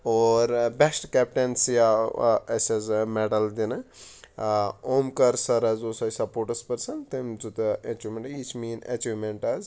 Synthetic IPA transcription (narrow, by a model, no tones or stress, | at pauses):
oːɾbesʈkɛp̚ʈensjaɐsɐzmɛɖɐld̪inɨ | omkɐɾsɐɾɐzoːsɐjsɐpoːɾʈɐspɐɾsɐnt̪emt͡sut̪ɨet͡ʃumeɳʈit͡ʃʰmiːnḛt͡ʃumeɳʈɐz